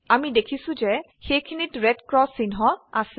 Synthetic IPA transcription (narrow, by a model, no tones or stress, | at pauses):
amidekʰisʊ̃zɛ | xejkʰinitɹɛdkɹɔsːinɦɔasɛ